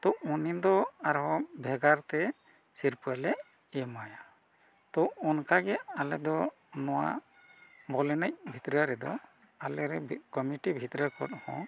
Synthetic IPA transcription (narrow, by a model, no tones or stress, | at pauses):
t̪ɔunid̪ɔaɾɦɔ̃bʱɛɡaɾt̪ɛ | siɾpuɛlɛ | ɛmaja | t̪ɔɔnkaɡɛalɛd̪ɔ | nɔwa̰ | bɔlɛnac̚bʱit̪ɾaɾɛd̪ɔ | alɛɾɛkɔmiʈibʱit̪ɾəkɔ̰t̪̚hɔ̰̃